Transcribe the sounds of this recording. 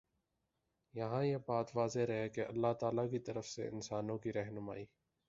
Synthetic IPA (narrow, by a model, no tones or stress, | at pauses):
jɐɦãjebaːt̪ʋaːzeɾɐɦekeʔɐlːaɦt̪aːlakit̪ɐɾəfsḛɪ̰nsaːnõkiɾɛɦnʊma̰ːiː